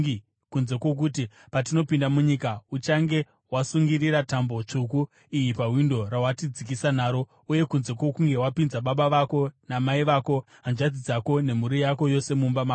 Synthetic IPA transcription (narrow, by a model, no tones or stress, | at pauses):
kunze̞kwo̞k̬uti | patino̞pindamuɲikaut͡ʃaŋɡe̞ | wasuŋɡiriɾatambo̞t͡ʂuku | ijipaɦwindo̞rawatid͡zik̬isanaːɾo̞ | uje̞kunze̞kwo̞kuŋɡe̞wapinzaɓaɓaʋako̞namaiʋaːko̞ | ɦanʐad͡zid͡zako̞ne̞muɾijako̞jo̞se̞mumbama